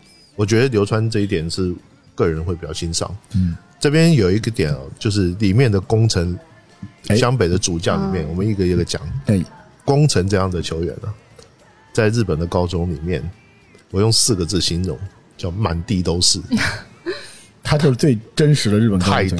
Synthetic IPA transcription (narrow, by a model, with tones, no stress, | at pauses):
wɔ˨˩t͡ɕɥɛ˧˥d̪ə˧ljo˧˥ʊʈ͡ʂʰwa˥nʈ͡ʂɤ˥˧i˥˩t̪̬jɛ˨˩nʂɻ̩˥˧ | kɤ˥˩ɻə˧˥nxwe˥˩pi˨˩t͡ɕɑ˥˩ʊɕi˥nʂɑ̰˥˩ŋ̩˥ | ʈ͡ʂɤ˥˩pjɛ˥njo˨˩ʊi˥˩ɡə˧˦t̪jɛ˨˩˦nɐ̰˦t͡ɕjo˥˧ʊʂ̬ɻ̩˥˩li˨˩mjɛ˥˩nd̪ə˩kʊ˥ŋt͡sʰə˧˥ŋ | ɕjɑ˥ŋpe˨˩ɪd̪ə˦t͡su˨˩t͡ɕjɑ˥˩li˨˩mjɛ˥˩nwɔ˨˩mə˦i˥˩ɡə˧˩i˧˥˩ɡə˧˩t͡ɕjɑ̰˨˩˦ŋ˧ | kʊ˥ŋt͡sʰə˧˥ŋʈ͡ʂɤ˥˧jɑ˥˩ŋd̪ə˩t͡ɕʰo˧˥ʊɥɛ̰˨˩˦nə˦ | t͡sa˥˧ɪɻɻ̩˥˩pə˨˩nd̪ə˦kɑ˥ʊʈ͡ʂʊ˥ŋli˨˩mjɛ̰˥˩n | wɔ˨˩jʊ˥˧ŋsɹ̩˥˩ɡə˩t͡sɹ̩˥˩ɕi˥nɻʊ̰˧˥ŋ | t͡ɕjɑ˥˩ʊma̰˨˩nt̪i˥˧t̪o˥ʊʂɻ̩˥˩ | t̪ʰa˥t͡ɕjo˥˧ʊ˥t͡swe˥˩ɪʈ͡ʂə˥nʂɻ̩˧˥d̪ə˧ɻ̩˥˩pə˨˩nkʰa˥˩ɪ˧